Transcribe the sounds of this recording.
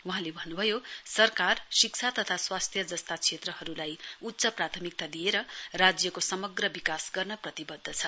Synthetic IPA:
wuɦãlebʱʌnːubʱʌjosʌrkarsikt͡sʰat̪ʌt̪ʰaswast̪ʰjʌd͡zʌst̪at͡sʰet̪rʌhʌɾulajut̪ːsʌprat̪ʰʌmik̚t̪ad̪ijeɾʌrad͡zjʌkosʌmʌɡrʌbikasɡʌrnʌprʌt̪ibʌd̪ʱːʌt͡sʰʌ

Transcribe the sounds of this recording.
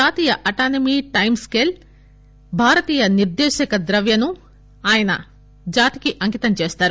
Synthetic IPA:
aːt̪iːjɐʔɐʈaːnɐmiːʈɐjmskeːl | bʱaːɾɐt̪iːjɐniɾd̪ɛːʃɐkɐd̪ɾɐʋjɐnu | aːjɐnɐ | d͡ʒaːt̪i̥kiʔɐŋkit̪ɐmt͡ʃeːst̪aːɾu

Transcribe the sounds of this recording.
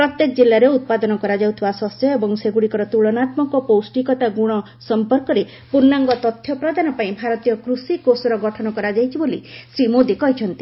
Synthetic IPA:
pɾɔt̪jekd͡ʒilːaɾeut̪̚pad̪ɔnɔkɔɾad͡ʒawt̪ʰibasɔsjɔebɔŋseɡuɽikɔɾɔt̪uɭɔnat̪mɔŋkɔpowsʈikɔt̪aɡuɽ̃ɔ | sɔmpɔɾkɔɾe | puɾnaŋɡɔt̪ɔt̪ʰjɔpɾɔd̪ʱanɔpaĩbʱaɾɔt̪ijɔkɾusikosɔɾɔɡɔʈʰɔnɔkɔɾad͡ʒajt͡ʃʰibolḭsɾimod̪ikɔɦit͡ʃʰɔnt̪i

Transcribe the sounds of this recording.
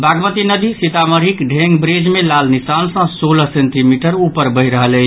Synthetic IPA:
baɡmət̪inəd̪isit̪aməɾikɖʱeŋɡbɾed͡ʒmelalnisansə̃soləsenʈimiʈəɾupəɾbəɦɾəɦələɪt͡ʃʰ

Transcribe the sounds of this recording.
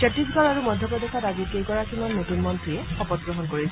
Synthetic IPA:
t͡ɕɛtisɡʱɔɹaɹumɔdʱjɔpɹɔdɛkʰadaɡikejkɔɹakʰimɔnːotunmɔntʰijɛxɔpɔt̚ɡɹɔɦɔnkoɹis

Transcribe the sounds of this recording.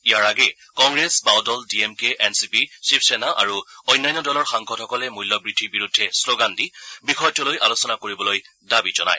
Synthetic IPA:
ijaɹaɡɛ | kɔŋɡɹesbawdɔldiɛmkeʔɛnsipisipsɛnaʔa̰ɹuɔjnajnːɔdɔlɔɹxaŋkʰɔdthɔkɔlɛmujlːɔbɹidʱiɹbiɹudʱːɛsloɡandibixɔjtɔlojʔalosɔnakoɹibɔloj | dabizɔna̰j

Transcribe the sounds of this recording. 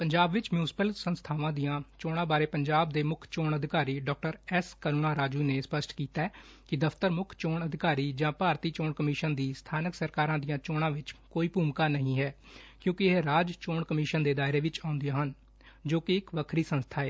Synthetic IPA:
pəɲd͡ʒaːbʋɪt͡ʃmjuːsɪ̥pəlsənst̪ʰaːʋãːd̪ijãːt͡ʃoːɽ̃ãːbaːɾeːpəɲd͡ʒaːbd̪eːmʊkʰt͡ʃoːɳəd̪ʱɪkaːɾiːɖɔːk̚ʈəɾɛskənuːnaːɾaːd͡ʒuːineːspəsʈkiːt̪aɛ | kɪd̪əfʰt̪əɾmʊkʰt͡ʃoːɳəd̪ʱɪkaːɾiːd͡ʒãːpaːɾt̪iːt͡ʃoːɳkəmɪːʃənd̪iːst̪ʰaːnəksəɾkaːɾãːd̪ijãːt͡ʃoːɽ̃ãːʋɪt͡ʃkoːiːpuːmkaːnəɦĩːɦɛː | kjõːkɪeɾaːd͡ʒt͡ʃoːɳkəmiːʃənd̪eːd̪aːɪɾeːʋɪt͡ʃaːʊ̃nd̪ijãːɦən | d͡ʒoːkɪɪkʋəkʰɾiːsənst̪ʰaːɛː

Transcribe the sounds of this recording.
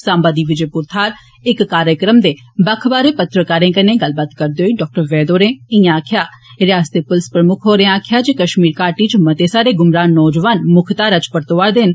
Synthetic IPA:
sãːmbaːd̪iːʋɪd͡ʒeːpʊɾt̪ʰaːɾ | ɪkːaːɾjəkɾəmd̪eː | bəkʰbaːɾeːpət̪ɾəkaːɾẽːkənẽːɡəlbaːt̪kəɾd̪eːɦoiːɖɔːk̚ʈəɾʋɛːd̪oːɾẽːɪjãaːkʰjaːɾɪjaːst̪epʊlɪspɾəmʊkʰɦoːɾeãaːkʰjaːd͡ʒeːkəʃmiːɾkaːɾʈiːt͡ʃmət̪eːsaːɾeːɡʊmɾaːnːɔːd͡ʒʋaːnmʊkʰt̪aːɾət͡ʃpəɾt̪oʋaːɾd̪ɪn

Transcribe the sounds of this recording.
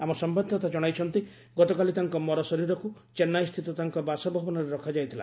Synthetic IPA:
amɔsɔmbad̪ʱɔt̪ad͡ʒɔɽ̃ajt͡ʃʰɔnt̪i | ɡɔt̪ɔkalit̪aŋkɔmɔɾɔsɔɾiɾɔkut͡ʃenːajst̪ʰit̪ɔt̪aŋkɔbasɔbʱɔbɔnɔɾeɾɔkʰad͡ʒajt̪ʰila̰

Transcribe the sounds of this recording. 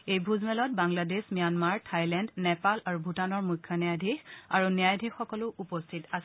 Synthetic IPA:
ejbʱuzmɛlɔt̚baŋladesmijanmaɹtʰajlɛndnɛpalaɹubʱutanɔɹmujkʰːjɔnijajdʱixa̰ɹunijajdʱixɔkɔlʊʔupɔstʰitas

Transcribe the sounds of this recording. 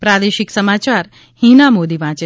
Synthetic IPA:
pɾad̪eʃiksəmat͡ʃaɾ | hinamod̪iʋãːt͡ʃe

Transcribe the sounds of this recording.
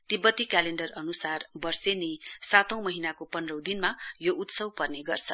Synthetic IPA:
t̪ibːʌt̪ːikaleɳɖʌrʌnusarbʌrsenesat̪ʌ̃w̃mʌɦinakopʌnrʌwd̪inmajoʔut̪sʌwpʌrneɡʌrt͡sʰʌ

